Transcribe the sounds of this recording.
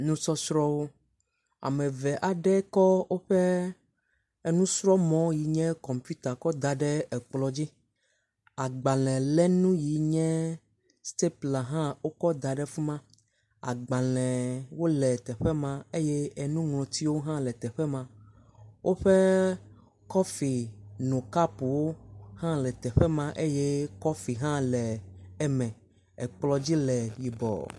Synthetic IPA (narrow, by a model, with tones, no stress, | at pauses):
nũ˦sɔ˦sɾɔ˦wo˦ | a̰˨mɛ̃˨vɛ˨ʔa˨ɖɛ˦kɔ˦wo˦ɸɛ˦ | ɛ˦nũ˦sɾɔ˦mɔ̃˨˦ji˨ɲɛ̃˦kɔ˨mpu˦t̪a˨kɔ˦d̪a˨ɖɛ˦ɛ˨k͡plɔ˨d͡ʑi˦ | a˨ɡ͡ba˨lɛ̃˨lɛ˦nũ˦ji˨ɲɛ̃˦ | st̪e˦pla˨ɦã˦wo˦kɔ˦d̪a˨ɖɛ˦fu˦mã˦ | a̰˨ɡ͡ba˨lɛ̃˨wo˦lɛ˨t̪ɛ˨ɸɛ˦mã˦e˦jɛ˦ɛ˨nũ˦ŋlɔ̃˨t̪i˦wo˦ɦã˦lɛ˨t̪ɛ˨ɸɛ˦mã˦ | wʔo˦ɸe˦ | kɔ˦fi˨nõ˨ka˦pu˨wo˦hã˦lɛ˨t̪ɛ˨ɸɛ˦mã˦ʔe˦je˦kɔ˦fi˨ɦã˦lɛ˨ɛ˨mɛ̃˨ | ɛ˨k͡plɔ˦d͡ʑi˦lɛ˨ji˨bɔ̰˨